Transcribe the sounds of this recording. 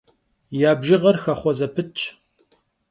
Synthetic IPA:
jaːbʒɪʁɐrxɐχʷɔzɐpʰɨt͡ʃʼʰ

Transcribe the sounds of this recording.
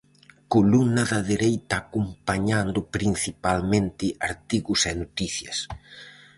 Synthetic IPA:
kolumnɐðɐðeɾejt̪ɐːkompaɲand̪ʊpɾin̟θipalmẽnt̪ɪaɾt̪iɣʊsɛnot̪iθjɐs

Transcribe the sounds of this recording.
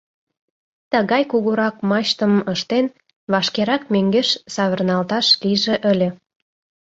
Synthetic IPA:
t̪əɣɑjkuɣuɾɑk̚mɑʃt̪əməʃt̪en | βɑʃkeɾɑk̚møŋɡeʃsɑβərnɑlt̪ɑʃliʒeʔə̆lʲe

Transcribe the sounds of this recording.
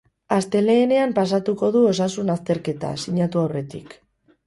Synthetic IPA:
ast̪e̞le̞ːne̞ampas̬at̪uko̞ðuo̞sasunast̪e̞ɾke̞t̪a̰siɲat̪uawre̞t̪ḭk

